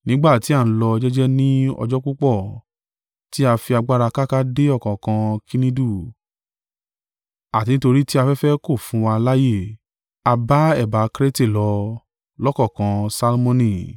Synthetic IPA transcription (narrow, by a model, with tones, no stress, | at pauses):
nĩ˦ɡ͡ba˦˨ti˨˦a˦˨n̩˦lɔ˧d͡ʒɛ˦d͡ʒɛ˦nĩ˦ɔ̰˧d͡ʒɔ˦ku˦k͡pɔ˦˨ | ti˦a˧fi˧a˧ɡ͡ba˦ɾa˧ka˦ka˦de˦ɔ˦˨kã˨kã˧kʰi˦nĩ˦du˦˨ | a˨ti˨˧nĩ˦to˧ɾi˦ti˦a˧fɛ˦fɛ˦ko˦˨fũ˨˦wa˧la˦je˦˨ | a˧ba˦ɛ˦˨ba˨˦kɾe˦te˦˨lɔ˧ | lɔ˦kɔ˦˨kã˧sa˧lmõ˧nĩ˦˨